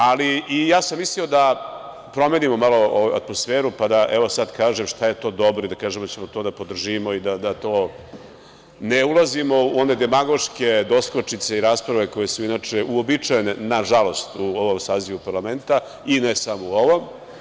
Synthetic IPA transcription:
aliːjaːsamːislio̞d̪a | pɾo̞me̞ːnimo̞malo̞oʋujua̰t̪mosfeːɾupad̪aʔɛʋo̞sad̪kaːʒemʃt̪aje̞t̪o̞ːd̪o̞bɾod̪akaːʒemd̪at͡ɕemot̪o̞ːd̪apo̞d̪r̩ʒimo̞id̪ad̪at̪o̞ː | neulˠazimo̞uo̞ne̞d̪emaɡo̞ʂke̞d̪o̞sklot͡ʂit̪se̞iɾaːspɾaʋe̞ko̞je̞suinaːt͡ʂeʔuobit͡ʂajenenaʒalˠo̞st̪uo̞ʋo̞msaːziʋupaɾlame̞nt̪a | inesamouo̞ʋo̞m

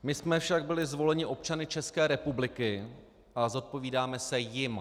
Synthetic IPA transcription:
mɪsmɛfʃaɡ̚bɪlɪzvo̞lɛɲɪʔo̞p̚t͡ʃanɪt͡ʃɛskɛːɾɛpublɪkɪ | ʔazo̞t̪̚po̞viːdaːmɛsɛjɪm

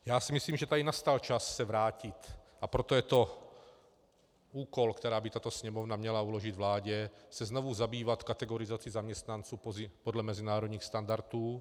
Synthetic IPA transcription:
jaːsimisliːmʒɛt̪adɪnast̪alt͡ʃasːɛvɾaːcɪt̪ʔapɾot̪ojɛt̪o̞ | uːkolkt̪ɛɾaːbɪt̪at̪osɲɛmovnamɲɛlauloʒɪd̪vlaːɟɛsɛznovuzabiːvat̪kat̪ɛɡoɾɪzat͡sɪzamɲɛst̪nant͡suːpozɪpodlɛmɛzɪnaːɾod̪ɲiːxst̪and̪aɾt̪uː

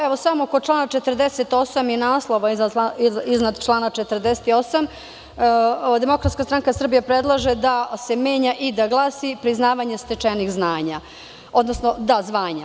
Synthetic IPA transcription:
eʋo̞samokot͡ʂlˠaːnat͡ʃet̪rd̪eset̪o̞samjenaːslˠo̞ʋai | iznad̪t͡ʃlˠaːnat͡ʃet̪rd̪eset̪io̞sam | d̪e̞mo̞kɾat̪skast̪ɾaŋkasr̩bijapɾed̪lˠaʒed̪ase̞me̞ːɲaʔid̪aɡlˠaːsipɾiznaːʋaɲe̞st̪et͡ʂenixznaːɲa | o̞d̪nosno̞d̪azʋaːɲa

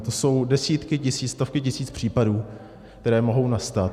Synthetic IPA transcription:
t̪o̞so̞wdɛsiːt̪kɪcɪsiːt͡sst̪ofkɪcɪsiːt͡spr̝̥iːpaduː | k̚t̪ɛɾɛːmo̞ɦo̞wnast̪at̪

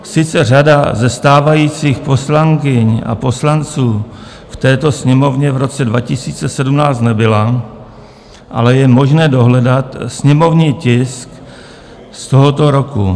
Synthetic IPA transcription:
sɪt͡sɛr̝adazɛst̪aːvajiːt͡siːxpo̞slaŋkɪɲa̰po̞slant͡suː | ft̪ɛːt̪o̞sɲɛmo̞vɲɛvɾo̞t͡sɛdvacɪsiːt͡sɛsɛdumnaːt͡st̪nɛbɪla | ʔa̰lɛjɛmo̞ʒnɛːdo̞ɦlɛdat̪sɲɛmo̞vɲiːcɪsk | st̪o̞ɦo̞t̪o̞ɾo̞ku

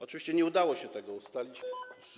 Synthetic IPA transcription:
ɔt͡ʂɨvʲiɕt͡ɕɛɲɛud̪awɔɕɛt̪ɛɡɔust̪alʲit͡ɕ

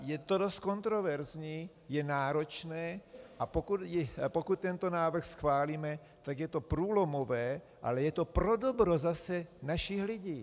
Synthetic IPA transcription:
jɛt̪odost̪̚kont̪ɾovɛɾzɲiː | jɛnaːɾot͡ʃnɛːʔapokud̪jɛpokut̪̚t̪ɛnt̪onaːvr̩xsxvaːliːmɛ | t̪aɡjɛt̪opɾuːlomovɛː | ʔa̰lɛjɛt̪opɾodobɾozasɛnaʃixlɪɟiː

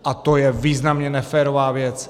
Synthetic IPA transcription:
ʔat̪ojɛviːznamɲɛnɛfɛːɾovaːvjɛt͡s

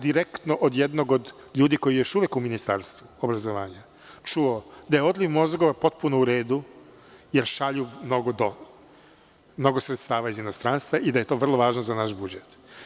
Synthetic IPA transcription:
d̪iɾekt̪noʔod̪jed̪no̞ɡod̪ | ʎuːd̪iko̞jijo̞ʃuʋekuminist̪a̰ɾst̪ʋuobɾazoʋaːɲa | t͡ʃuod̪ajeo̞d̪liʋmo̞zɡoʋapo̞t̪̚punouɾeːd̪u | jeɾʃaʎumno̞ɡod̪o | mno̞ɡo̞sɾet̪st̪aːʋaizinost̪ɾaːnst̪ʋaʔid̪aje̞t̪o̞ːʋr̩lˠoʋaːʒnozanaʃbud͡ʒet̪

